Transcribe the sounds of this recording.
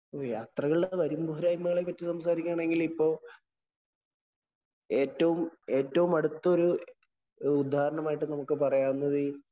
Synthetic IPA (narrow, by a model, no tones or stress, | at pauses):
ojaːt̪rɐɣɐɭɖeʋɐɾumbuɦɐɾaːjimːɐɣɐɭepːɐtːisɐmsaːɾikʲːaːɳe̞ŋɡilipːo̞ː | e̞ːtːɐʋume̞ːtːɐʋumɐɽut̪ːɐo̞ɾu | ud̪ʱːaːhɐɾɐɳɐmaːjiʈːɨnɐmukːɨpɐrɐjaːunːɐðɨ